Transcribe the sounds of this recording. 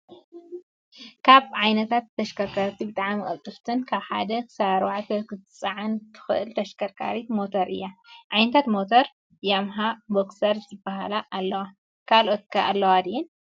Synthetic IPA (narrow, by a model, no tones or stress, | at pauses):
kʰaβʕajnɐt̪ʰat̪ːɐʃkʰɐɾkʰɐɾt̪ʰibɨt̪ʼaʕmikʼɐ̰t̪ʼːɨft̪ʰɨnkʰaβħa̰d̪ɐkʰɨ̥saɾwaʕt̪ʰɐkɨt̪ɨt͡sʼɐʕant̪ʰɨ̥xɨʔɨlt̪ʰɐʃkʰɐɾkʰa̰ɾit̪mo̞t̪ʰoɾʔɨ̰jːaʕajnɐt̪ʰat̪mot̪ʰoɾ | jamɦaboksɐɾzɨbːaɦalaʔːlːɐwa | kʰalo̞t̪̚kʰaʔalːɐwad̪iɛn